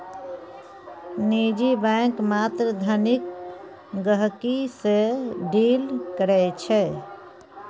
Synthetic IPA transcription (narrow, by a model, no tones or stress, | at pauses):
nid͡ʒibɛ̃kmat̪ɾəd̪ʱənik | ɡəɦkiseɖilkəɾɛt͡ʃʰɛ